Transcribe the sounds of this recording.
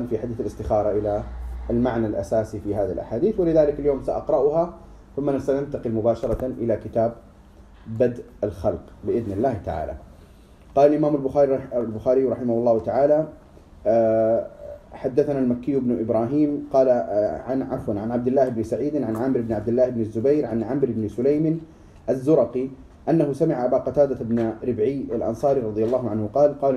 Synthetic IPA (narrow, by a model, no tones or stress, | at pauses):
nfiħɪd̪ːaθalʔɪst̪ɪxɑːɾˤɑʔɪlaɪlmaʕnalʔa̰saːsifiɦaːðalʔa̰ħaːd̪iːθwɪlɪðaːlɪkaljoːmsaʔɑqɾˤɑʔʊha | θʊmːanasanɪnt̪ɑqɪlmʊbaːʃɑɾˤɑt̪ʔɪlakɪt̪aːbː | ad̪ʔalxalqbɪʔɪðnɪlːaːht̪a̰ʕa̰ːla̰ | qɑːlalʔɪmaːmalbʊxaːɾlbʊxaːɾɪjːɾˤɑħɪmahʊɑlˤːɑːhʊt̪aʕaːla | ħad̪ːaθanalmakːɪjːɪbnʊʔɪbɾˤaːɦiːmqɑːlaʕanʕafwanʕanʕab̚d̪ɪlːaːhɪbnɪsaʕiːd̪nʕanʕaːmɪɾɪbnʕab̚d̪ɪlːaːhɪbnazːʊbajɾʕanʕamɾɪbnɪsʊlajmɪn | ʔazːʊɾˤɑqi | ʔanːaɦʊsamɪʕaʔabaːqɑt̪aːd̪aɪbnaɾɪbʕiːalʔɑ̰nsˤɑːɾiɾˤɑd̪ˤɨjɑlːɑːhʊʕanhʊqɑːlqɑːl